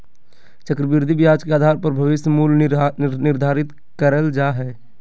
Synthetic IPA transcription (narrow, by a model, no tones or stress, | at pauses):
t͡ʃəkɾəbɪɾd̪ʱibɪjaːd͡ʒkeaːd̪ʱaːɾpəɾbʱəʋɪsəmuːlnɪɾd̪ʱaːɾɪt̪ | kəɾəld͡ʒaːɦɛː